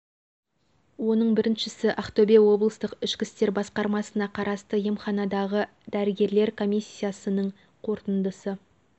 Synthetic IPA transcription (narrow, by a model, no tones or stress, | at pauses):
wo̞nəɴbɪɾɪnʃɪsɪʔɑχt̪obewo̞blˠəst̪əqɪʃkʲɪst̪e̞ɾbɑsqɑɾmɑsənɑqʰɑɾɑst̪əjemχɑnɑd̪ɑʁə | d̪æɾɪɡʲe̞ɾle̞ɾkʰo̞mʲijsʲːijasənəɴ | qʰo̞ɾt̪ənd̪əsə